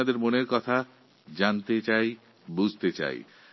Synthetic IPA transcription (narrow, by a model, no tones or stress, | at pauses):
ad̪eɾmoneɾkɔt̪ʰa | d͡ʑant̪et͡ɕaj | bud͡ʑʱt̪et͡ɕa̰j̰